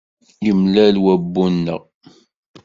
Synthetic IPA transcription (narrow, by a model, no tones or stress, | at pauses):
jəmlælwæbːunːə̰ʁ